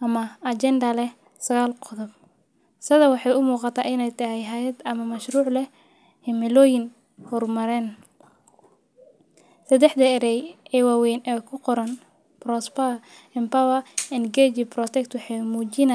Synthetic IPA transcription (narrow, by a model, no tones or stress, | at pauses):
ʔɐmɐɐt͡ʃɛnd̪ɐlɛ | sɐɣaːlqɔðɔb | sɐðɐwɑħɑjʊmuːqɑt̪ʰaːʔɪnɛjt̪ʰɐɦɛjɦaːjɐd̪ɐmɐmɐʃruːʕlɛ | hɪmɪlɔːjɪŋ | hɔrmɐɾɛn | sɐd̪ɛħd̪ɐɛɾɛjɛːwaːwɛjnɛːkʰʊqɔɾɐn | prɔspa | ɛmpawɐɛnɡɛd͡ʒɪbrɔt̪ʰɛkt̪wɑħɑjmuːt͡ʃɪna